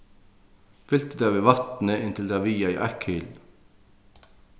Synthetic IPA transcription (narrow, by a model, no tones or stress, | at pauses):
fʏlt̪əd̪ɑːʋeːʋɑt̪n̩əɪnt̪ʰɪld̪ɑʋiːɑḭːʔækhʏl